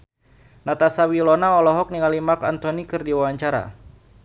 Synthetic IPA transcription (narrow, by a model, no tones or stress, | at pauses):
nat̪asawilɔnaɔlɔɦɔk̚niŋalimakant̪ɔnikɨrdiwawaɲt͡ʃaɾa̰